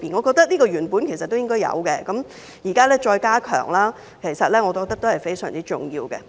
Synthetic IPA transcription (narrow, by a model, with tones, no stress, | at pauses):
piː˨nŋɔ˨˧kɔː˧k̚t̪ɐ˥k̚niː˥kɔː˧jyː˨˩npuː˨˥nkʰe˨˩jsɐ˨t̪̚ːo˥wjɪ˥ŋkɔː˥jɐ̰˨˧wkɛ˧kɐ˨˦m | jiː˨˩kaː˥lɛː˥t͡ʃɔː˧jkaː˥kʰœ̰ː˨˩ŋlaː˥ | kʰe˨˩jsɐ˨t̚lɛː˥ŋɔː˨˧kɔː˧k̚t̪ɐ˥k̚t̪o˥whɐ˨jfe˥jsœː˨˩ŋt͡siː˥t͡ʃʊ̰˨˩ŋjiː˧wkɛ̰˧